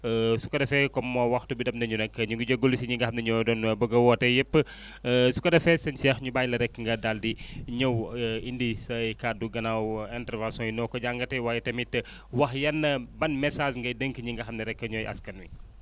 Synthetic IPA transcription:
su̥kɐdɐfɛkɔmːɔːwɐxtubidɐfnɐɲuɾɛkːəɲuŋɡɐɟoɡolus̬iɲiŋɡɐxɐmnɐɲɔdɔnbɐɡɐwɔːtɐjɛpːə | su̥kɐdɐfɛsɐɲsɛxɲubaːjlɐɾɛkːəŋɡɐdaːldiɲɐwindisɐjkaːduɡɐnawɛntɛɾvãnsɔ̃jinɔːkɔɟaːŋɡɐtɛwaːjɛtɐmitːɐ | wɐxjɐnːɐbɐnmɛsaːʃŋɡɐjdəŋkəɲiŋɡɐxɐmnɐɾɛkːəɲɔjʔɐ̰skɐnwi

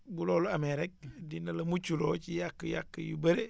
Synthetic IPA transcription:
buloːluameɾek̚dinɐlɐmut͡ʃulot͡ʃijakːəja̰kːəjubeɾe

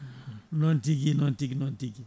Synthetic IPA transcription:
nontikinontiknontiki

